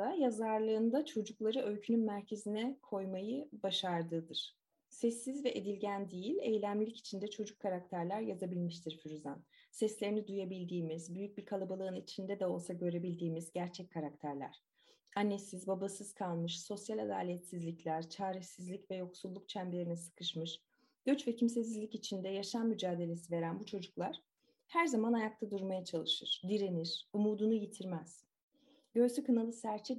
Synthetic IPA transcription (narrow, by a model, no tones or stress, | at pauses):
ajazaɾlˠɯːnd̪at͡ʃʰo̞d͡ʒuklˠaɾɯø̞lʲcʰynynmæɾcʰe̞zinɛkʰo̞jmajɯbaʃaɾd̪ɯːd̪ɯɾ̥ | sɛsːizvɛʔed̪ilʲɟænd̪ijilʲejlʲæmlʲici̥t͡ʃʰind̪ɛt͡ʃʰo̞d͡ʒukʰːaɾak̚t̪ʰæɾlʲæɾjazabilʲmiʃt̪ʰiɾfyɾyzansɛslʲe̞ɾinid̪ujabilʲd̪iːmizbyjyc̚biɾkʰalˠabalˠɯɯnit͡ʃʰind̪ɛd̪ɛo̞lˠsaɟø̞ɾe̞bilʲd̪iːmizɟæɾt͡ʃʰɛc̚kʰːaɾak̚t̪ʰæɾlʲæ̰ɾ̥ | anːe̞sizbabasɯz̥kʰalˠmɯʃso̞sjalʲad̪a̰ːlʲejt̪sizlʲiclʲæɾ̥t͡ʃʰaːɾiçsizlʲicvɛjo̞ksulˠːuk̚t͡ʃʰæmbieɾinɛsɯ̥kʰɯʃmɯʃ | ɟ̥ø̞t͡ʃvɛcʰims̬es̬izlʲicit͡ʃʰind̪ɛjaʃanːyd͡ʒaːd̪e̞lʲe̞s̬ive̞ɾænbut͡ʃʰo̞d͡ʒuklˠaɾ̥ | hæɾzamanajak̚t̪ʰad̪uɾmajat͡ʃʰalˠɯʃɯɾ̥d̪iɾeniɾ̥umuːd̪unujit̪ʰiɾmæz̥ | ɟ̥øjsykʰɯnalˠɯsæɾt͡ʃʰɛ